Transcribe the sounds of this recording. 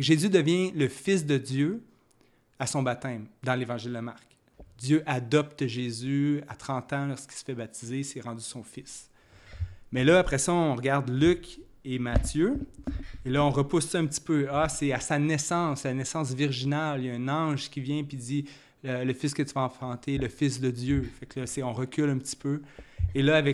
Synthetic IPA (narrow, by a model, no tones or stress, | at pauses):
kʒezyd̪əvjɛ̃ləfɪs̬d̪əd̪jø | asɔ̃bat̪ɛ̃md̪ɑ̃levɑ̃ʒɪld̪əmaʁk | d̪jøʔad̪ɔpt̪ʒezyat̪χɑ̃t̪ɑ̃lɔʁskʲi̥lsə̥fɛbat̪izesɛʁɑ̃dzysɔ̃fɪs | mɛlʌapχɛsʌɔ̃ʁɡaʁd̪lykʲ | emat̪jø | elʌɔ̃ʁəpʊssɔɛ̃p̚t̪i̥pøʌsɛasanɛsɑ̃slanɛsɑ̃s̬viʁʒinaljʌɛ̃nɑ̃ʒkʲivjɛ̃pid̪i | ələfɪskət̪yvaɑ̃fχɑ̃t̪ʰeləfɪs̬d̪əd̪jøfaklʌsɛɔ̃ʁəkʲylɛ̃pt̪i̥pøelʌavɛ